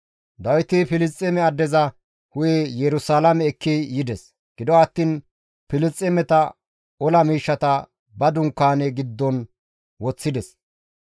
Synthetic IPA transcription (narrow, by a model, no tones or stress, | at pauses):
d̪ɐwɪt̪ɪpɪlɪst͡sʼːɛmɛɐd̪ːɛzɐ | hʊjejɛɾʊsaːlɐmɛːkʰːijɪd̪ɛs | ɡ̥ɪd̪ɔɐt̪ːiːn | pɪlɪt͡sʼːɛmɛt̪ɐ | ɔlɐmiːʃːɐt̪ɐ | bɐd̪ʊŋkːaːnɛɡɪd̪ːɔn | wɔt͡sːɪd̪ɛs